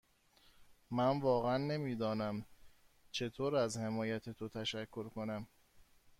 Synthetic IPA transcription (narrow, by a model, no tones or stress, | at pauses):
mænvɒːɣæænːe̞miːd̪ɒːnæm | t͡ʃʰe̞t̪ʰoːɾæzhe̞mɒːjæt̪ʰet̪ʰot̪ʰæʃækʰːo̞ɾkʰo̞næm